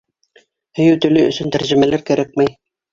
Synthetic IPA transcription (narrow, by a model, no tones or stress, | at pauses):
hɵ̆jɘwt̪ɵ̆lɘɵ̰̆sɵnt̪æɾʑɘ̆mælæɾkæɾæk̚mæj